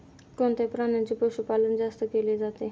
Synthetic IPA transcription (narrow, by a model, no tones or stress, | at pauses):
kont̪epɾanant͡ɕipəɕupalənd͡zast̪əkelid͡zat̪e